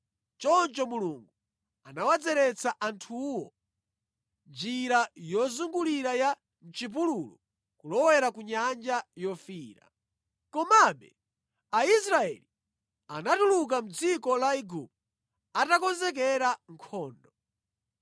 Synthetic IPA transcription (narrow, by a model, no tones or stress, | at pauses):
t͡ʃɔnt͡ʃɔmuluŋɡu | anawad͡zɛɾɛt͡saʔantʰuwɔ | nd͡ʒiɾajɔzuŋɡuliɾaja | nt͡ʃip̬ululṵ | kulɔwɛɾakuɲand͡ʒajɔfiːɾa̰ | kɔmaɓɛ̰ | ais̬ɾaɛ̰li | anatuluk̬am̩d͡zikɔlaiɡup | atakɔnzɛk̬ɛɾaŋ̩kʰɔːndɔ